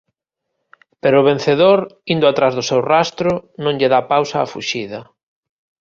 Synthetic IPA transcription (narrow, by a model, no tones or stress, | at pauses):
peɾʊːβ̞ẽn̟θeðoɾind̪ʊat̪ɾazðʊsewrast̪ɾʊnõŋʎɪðapawsa̰ːfṵʃiðɐ